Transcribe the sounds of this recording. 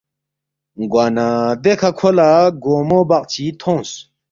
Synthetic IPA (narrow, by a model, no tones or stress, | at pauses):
ɡwaːnad̪ekʰakʰolaɡoːmobaq̚t͡ɕʰit̪ʰõːs